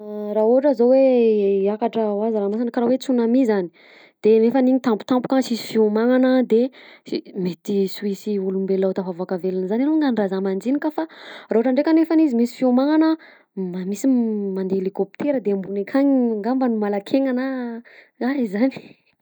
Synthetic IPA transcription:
raɦoʈ͡ʂəzoweakaʈ͡ʂəwazɾanasankaɾawet͡sunamizani̥ | d̪̥enefaniɲit̪ampu̥t̪ampu̥kasisi̥fiumaŋanəd̪eimet̪iswisiulumbelat̪avavakavelinəzaniloŋɡanrazamand͡zinikafarauʈ͡ʂaɳɖ͡ʐekʲanefanizimisi̥fiumaŋanə | mamisimand̪eelikopt̪ʰeɾəd̪embunekʰaɲiŋɡambənumalakʰeŋana | aizani̥

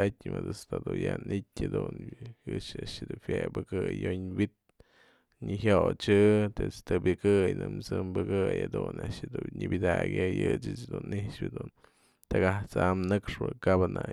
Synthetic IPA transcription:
atʲmɨd̪ɨst̪ad̪ujanʔitʲhad̪unkɨt͡ʃaʔʃɨd̪ufjebɨkɨjoɲwit̪̚ | ɲɨɦjot͡ʃɨt̪et͡st̪ɨbɨkɨjnɨmt͡sɨmbɨkɨjad̪unaʔʃd̪uɲɨbʲid̪aɡʲɨjɨt͡ʃɨt͡ʃd̪unʔiʂpʲad̪un | t̪aɡaht͡samnɨkʂbɨkabana

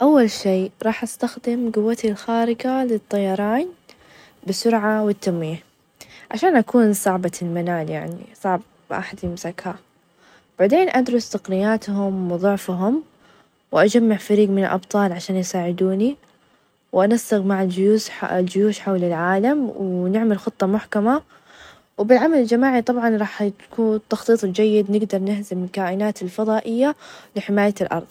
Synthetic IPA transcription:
ʔawːalʃiːɾˤɑːħʔast̪axd̪ɪmɡʊwːat̪ilxaːɾɪɡalɪt̪ˤːɑjɑɾˤɑːn | bɪsʊɾʕawɪt̪ːamːiːh | ʕaʃaːnʔakuːnsˤɑʕbɑlmanaːljaʕnḭsˤɑʕb̚ | ʔa̰ħad̪ɪmzakʰaː | b̥aʕd̪eːnʔad̪ɾˤʊst̪aqnɪjaːt̪hʊmwɪðˤʊʕfɦʊm | wʔad͡ʒamːaʕfaɾiːɡmɪnalʔɑbt̪ˤɑːlʕaʃaːnjɪsaːʕɪd̪uːni | wʔanast̪aɣmaʕad͡ʒʊjuːsld͡ʒʊjuːʃħawlɪlʕaːlamwnɪʕmalxʊt̪ˤːɑmʊħkama | wbɪlʕamalɪld͡ʒamaːʕit̪ˤɑbʕɑnɾˤɑːħkuːnt̪ːɑxt̪ˤiːt̪ˤd͡ʒajːɪd̪nɪɡd̪ɑɾˤnɪhzɪmɪlkaːʔɪnaːt̪ɪlfɑðˤɑːʔɪjːalɪħɪmaːjalʔɑ̰ɾˤðˤ

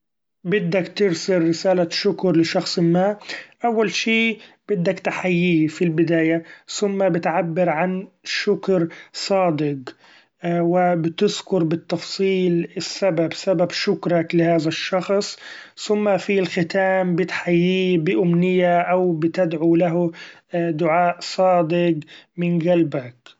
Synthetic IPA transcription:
bɪd̪ːakt̪ɪɾsɪɾːɪsaːlaʃʊkɾlɪʃɑxsˤɪmːaːʔawːalʃiːb̥ɪd̪ːakt̪aħajːiːfilbɪd̪aːjaθʊmːabɪt̪ʕabːɪɾʕan | ʃʊkɾsˤɑːd̪ɪq | wɪbɪt̪ɪzkʊɾbɪt̪ːɑfsˤiːlɪsːababsababʃʊkɾˤɑklɪhaːðaʃːɑxsˤθʊmːafilxɪt̪aːmbɪt̪ħajːiːbɪʔʊmnɪjːaʔawbɪt̪ɪd̪ʕulaɦ | d̪ʊʕaːʔsˤɑːd̪ɪɡmɪnɡalbak

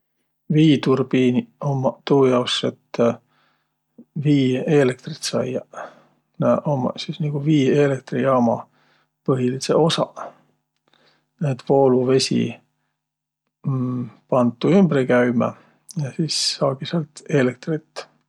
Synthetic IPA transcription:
viːt̪urbiniomɑt̪uːjɑokset̪ː | viːelek̚t̪rit̪sɑ̰jɑ | næʔomɑsisniɡ̥uviːelek̚t̪rijɑmɑ | pɤɦilisḛo̞sɑ̰ | et̪ːvo̞ːluve̞sʲḭ | pɑnt̪ːˑuymb̥ɾikæymɑ̰ | jɑsiːsːɑːɡiselt̪e̞lek̚t̪rit̪ːˑ

